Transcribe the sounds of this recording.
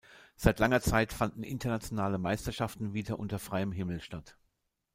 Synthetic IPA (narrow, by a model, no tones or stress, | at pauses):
z̥aɪtlaŋɐt͡saɪtfandn̩ʔɪ̰ntɐnat͡sjonaːləmaɪstɐʃaftn̩viːdɐʔʊntɐfʁ̥aɪəmɦɪml̩ʃtat